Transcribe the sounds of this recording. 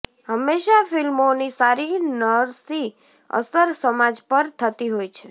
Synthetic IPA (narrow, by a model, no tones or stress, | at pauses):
ɦəmːeʃafilmonisaɾinəɾsi | ə̰səɾsəmad͡ʒpəɾt̪ʰət̪iɦojt͡ʃʰe